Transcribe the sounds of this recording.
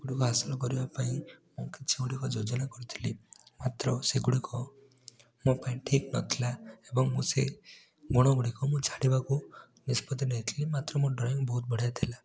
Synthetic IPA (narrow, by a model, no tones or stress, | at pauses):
ɡ̥uɽikuɦasilɔkɔɾibapaĩmũkit͡ʃʰiuɽikɔd͡ʒod͡ʒɔnakɔɾit̪ʰi̥limat̪ɾɔseɡuɽikɔ | mõpaĩʈʰiknɔ̰t̪ʰilaebɔŋmũse | ɡɔɽ̃ɔɡuɽikɔmũt͡ʃʰaɽibaku | nispɔt̪ineɦit̪ʰilimat̪ɾɔmũɖɾɔjɔŋbɔɦut̪̚bɔɽ̤ajt̪ʰila